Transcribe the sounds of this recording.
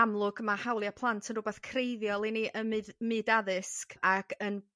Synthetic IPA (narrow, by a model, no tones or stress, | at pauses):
amlˠʊɡmahawlˠjapʰlˠantʰənrʊbɛθkʰrejðjɔlˠiniʔəmmɨdaðɨskakʰən